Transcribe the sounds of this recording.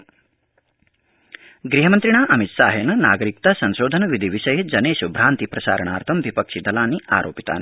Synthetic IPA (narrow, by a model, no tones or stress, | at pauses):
ɡɾiɦɐmɐnt̪ɾiɳaːʔɐmit̪sa̰ːɦjɐnɐna̰ːɡɐɾik̚t̪asɐnʃoːd̪ʱɐnɐʋid̪ʱiʋiʃɐjɐd͡ʒɐneːʃubʱɾaːnt̪ipɾɐsa̰ːɾɐɳaːɾt̪ʰɐmʋipɐkʂid̪ɐlaːniʔa̰ːɾʔoːpit̪a̰ːni